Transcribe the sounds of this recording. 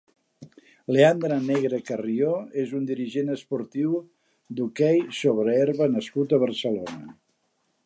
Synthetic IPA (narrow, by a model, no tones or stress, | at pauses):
leand̪ɾaneɣɾəkərioezund̪iɾiʒenəspuɾt̪iw | d̪ukɛjsoβɾəɛɾβənəskut̪əβ̞ərsəlonə